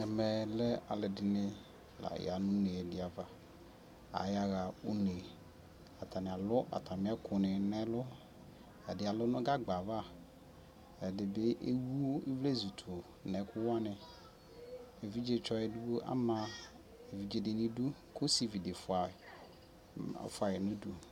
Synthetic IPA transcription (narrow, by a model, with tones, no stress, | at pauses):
ɛ˨mɛ˨lɛ˦a˨lɪ˨dɪ˨nɪ̃˨ | la̰˨j̰a˨nʊ̃˦ne˨dɪ˨a˨va˨ | a̰˨ja˦ɣa˨o˦ne˨ | a˨t̪ʰa˨nɪ˨a˨lʊ˦ʔa̰˨t̪ʰa˨mɪ̃˦a˦kʰʊ˨nɪ̃˨nɛ̃˦lʊ˦ | ɛ˨dɪ˨a˨lʊ˦nʊ̃˦ɡa˦ɡ͡ba˨va˦˨ | ɛ˨dɪ˨be˦ʔe˦wu˦o˦i˦vle˦zu˨tʰu˨ | nɛ˨˦kʰʊ˦wa˦nɪ̃˨ | e˨vi˦d͡ʒe˨t͡ʃɔ˦ɛ˨du˦wo˦ʔa̰˦mã˨ | e˨vi˨d͡ʒe˨dɪ˨nɪ̃˦du˦kʊ˦si˦vi˨de˨fʊ˨a˨ | fʊ˨˦a˨jɛ˨nʊ̃˦du˦